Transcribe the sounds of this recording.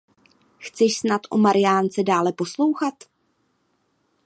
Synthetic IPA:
xt͡sɛʃsnat̪ʔo̰maɾɪjaːnt͡sɛdaːlɛpo̞slo̞wxat̪

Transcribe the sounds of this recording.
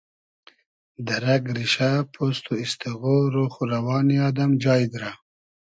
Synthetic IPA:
d̪aɾaɡɾiʃapʰost̪oist̪iɣoɾoxuɾawɑːniɑd̪amd͡ʒɑːjd̪ɾa

